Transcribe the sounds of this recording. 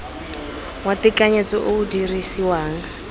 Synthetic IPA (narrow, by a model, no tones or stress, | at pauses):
ŋwatikaɲet͡sɔʔoudirisiwaːŋ̩